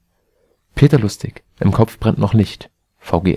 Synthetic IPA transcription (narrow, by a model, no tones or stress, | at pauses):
pʰeːtɐlʊstɪç | ʔɪmkʰɔp͡fb̥ʁɛntnɔχnɪçt | faʊɡḛː